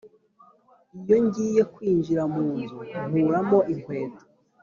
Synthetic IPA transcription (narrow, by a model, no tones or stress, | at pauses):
ijo̞ɲɟiːje̞kwiːɲd͡ʒiɾamuːnzuuːɾamo̞ʔiŋkwe̞ːtḁ